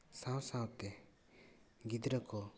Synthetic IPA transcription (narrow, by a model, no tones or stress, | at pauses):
sãwsawt̪ɛ | ɡid̪ɾəkɔ